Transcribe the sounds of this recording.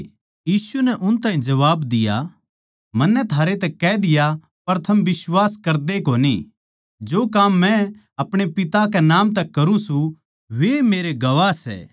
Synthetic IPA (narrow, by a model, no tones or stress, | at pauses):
jiːsunɛʔʊnt̪aːɦĩd͡ʒɐʋaːbd̪ɪja̰ | mɐnːɛt̪ʰaːɾet̪ɛkɛd̪ɪja | pɐɾt̪ʰɐmbɪsʋwaːskɐɾd̪ekonḭ | d͡ʒoːkaːmːɛ̃ | ɐpɽ̃epɪt̪akɛnaːmt̪̬ɛkːɐɾũsũ | ʋemeːɾeɡɐʋasɛ̰ː